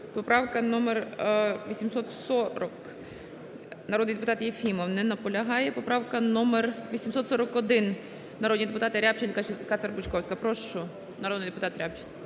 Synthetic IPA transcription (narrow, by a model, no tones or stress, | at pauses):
pɔpɾawkɐnɔmɛrʋʲisʲimsɔt̪sɔɾɔk | nɐɾɔd̪nɨjd̪ɪpʊt̪at̪jefʲimɔwnɛnɐpɔlʲɐɦajɛpɔpɾawkɐnomɛrʋʲisʲimsɔt̪sɔɾɔkɔd̪ɪn | nɐɾod̪nʲijd̪ɪpʊt̪at̪ɪɾʲapt͡ʃɪnkat͡ʃkat̪ɐrbʊt͡ʃkɔwsʲkɐpɾɔʃʊ | nɐɾod̪nɨjd̪ɛpʊt̪at̪ɾʲap̚t͡ʃɪnʲ